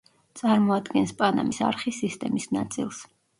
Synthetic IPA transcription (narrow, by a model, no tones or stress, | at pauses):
t̪sʼaɾmɔad̪ɡɛnspʼana̰misa̰ɾχisist̪ʼɛmisna̰t̪sʼḭlˠs